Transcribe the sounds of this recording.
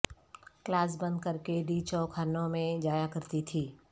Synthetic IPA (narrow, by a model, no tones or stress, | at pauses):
klaːs̬bɐ̃nd̪̚kəɾkeɖiːt͡ʃɔkʰaːɾnõmẽd͡ʒaːjakɐɾt̪it̪ʰiː